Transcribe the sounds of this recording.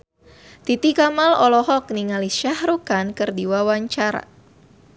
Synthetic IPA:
t̪it̪ikamalɔlɔɦɔk̚niŋaliʃahɾukankɨrdiwawaɲt͡ʃaɾa̰

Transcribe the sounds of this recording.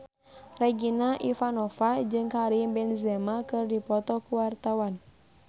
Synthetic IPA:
rɛɡinaʔifanɔfad͡ʒɨŋkaɾibɛnzɛmakɨrdipɔt̪ɔkuwart̪awan

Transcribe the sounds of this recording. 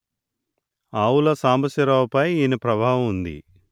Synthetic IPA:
aːwulɐsaːmbɐsɐɾaːwpɐjiːnɐpɾɐbʱaːɦɐmund̪ḭ

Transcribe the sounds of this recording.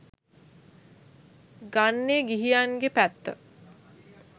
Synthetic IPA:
ɡanːeɡiɦijanɡepæt̪ːə̰

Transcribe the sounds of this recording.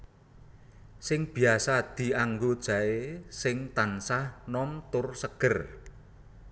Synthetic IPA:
sɪŋb̥i̤asad̪̥i̤aŋɡod̥ʒ̥a̤esɪŋt̪ansahnɔmt̪ʊrsəɡ̥ə̤r

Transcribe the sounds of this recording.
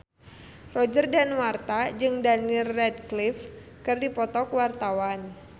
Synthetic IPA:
rɔd͡ʒərdanwart̪ad͡ʒɨŋdanirːɛdklif | kɨrdipɔt̪ɔkwart̪awan

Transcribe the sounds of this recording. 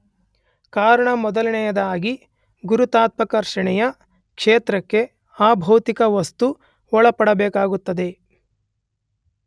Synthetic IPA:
kaːɾɐɳɐmɔd̪ɐlɐɳɛjɐd̪ɐaːɡi | ɡuɾut̪aːt̪̚mɐkɐɾʃɐɳɛjɐ | kʂeːt̪ɾɐkːe̞ | aːbʱɐːt̪ikɐʋɐst̪u | ɔɭɐpɐɽɐbɛːkaːɡut̪ːɐd̪e̞

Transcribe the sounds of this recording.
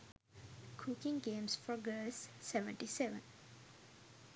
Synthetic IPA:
kʰukĩŋɡẽːmsfɔɡəsːɛʋə̰̃ɳʈisɛʋə̰̃n

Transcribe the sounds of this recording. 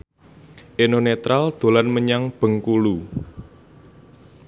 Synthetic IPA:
ʔenonet̪ɾald̪̥o̤lanməɲaŋb̥ə̤ŋkulu

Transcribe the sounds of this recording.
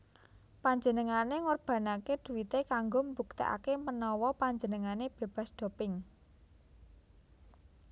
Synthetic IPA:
paɲd͡ʒənəŋaneŋɔrb̥ä̤nakeɖ̪̥uwit̪ekaŋɡombuk̚t̪ḭʔa̰kemənɔwɔpaɲd͡ʒənəŋaneb̥e̤b̥a̤sd̪̥ɔ̤pɪŋ

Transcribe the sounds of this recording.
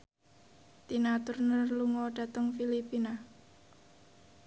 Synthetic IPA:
t̪inat̪ʊrnərluŋɔɖ̥a̤t̪əŋfilipina

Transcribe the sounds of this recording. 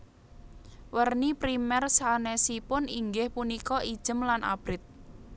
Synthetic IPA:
wərnipɾimɛrsanɛsipʊniŋɡɪhpunikɔʔid̥ʒ̥əmlanʔa̰b̥ɾɪt̪̚

